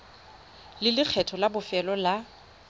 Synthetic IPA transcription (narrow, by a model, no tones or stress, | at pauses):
lɪlɪk͡xʰɛtʰɔlabʊfɛlɔla